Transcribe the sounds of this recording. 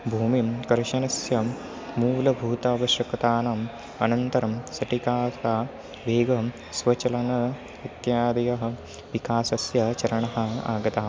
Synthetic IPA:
bʱuːmimkɐɾʃɐnɐsjɐ | muːlɐbʱuːt̪ɐːʋɐʃjɐkt̪aːnɐm | ɐ̰nɐnt̪ɐɾɐmsɐʈikaːsaː | ʋeːɡɐ | sʋɐt͡ʃɐlɐnɐ | it̪jaːd̪ɐjɐɦɐ̆ | ʋikaːsɐsjɐt͡ʃɐɾɐɳɐɦɐ̆a̰ːɡɐt̪aːɐ

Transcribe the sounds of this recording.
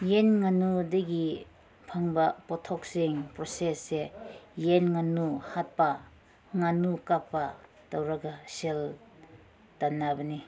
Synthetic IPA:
jenŋanudɐɡi | pʰaŋbɐpɔtʰɔk̚seŋpɾosesːejenŋanuhat̚pɐ | ŋanukapːa | tawɾaɡasel | tanːabɐni

